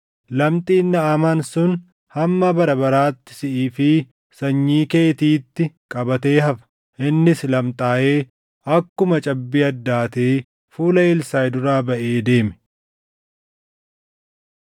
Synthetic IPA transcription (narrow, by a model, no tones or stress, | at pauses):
lɐmt̪ʼiːnːɐːmaːnsʊn | hɐmːɐbɐɾɐbɐɾaːt̪ːɪ̥sɪʔiːfɪ | sɐɲːiːkeːt̪iːt̪ːɪkʼɐbɐt̪e̞ːɦɐfɐ̥ | ʔɪnːɪslɐmt̪ʼaːʔe̞ː | ɐkːʊmɐt͡ʃʼɐbːiːɐd̪ːaːt̪eː | fuːlɐɪlsaːjd̪ʊɾaːbɐʔeːd̪e̞ːmɛ̥